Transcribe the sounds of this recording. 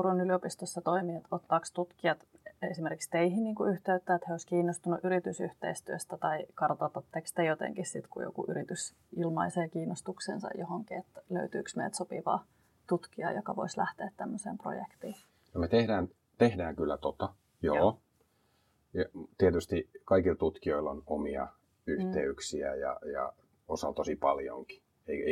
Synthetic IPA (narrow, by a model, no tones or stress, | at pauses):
eronyliopist̪osːɑt̪oimiet̪ot̪ːɑːkst̪ut̪kiɑt̪esimerkikst̪eiɦinniːŋkuyht̪eyt̪ːæet̪heoiskiːnːost̪unuʔyɾit̪ysyht̪ḛist̪yøst̪æt̪ɑikɑrt̪ot̪ɑt̪ːekst̪ejot̪ḛŋkissit̪kujo̰kṵʔy̰ɾit̪ys | ilmɑiseːkiːnːost̪uksḛnsɑ̰johoŋkiet̪ːælø̰yt̪y̰ːksmḛjt̪sopḭʋɑ̰ː | t̪ut̪kiɑjokɑʋoislæht̪eːt̪t̪æmːøsḛːmpro̰jḛkt̪iː | nomet̪ehdæːn | t̪ehdæːŋkylːæt̪ot̪ɑ | jo̰ː | jɑt̪iet̪yst̪ikɑikilt̪ut̪kioilːonomiɑ̰ | yht̪eyksiæ̰jɑ̰jɑ̰ | osɑlt̪osipɑljo̰ŋki̥ | eie